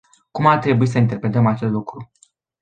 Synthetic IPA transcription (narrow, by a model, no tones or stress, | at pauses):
kumart̪ɾe̞buis̬əint̪e̞rpɾe̞t̪əmat͡ʃe̞st̪lukɾu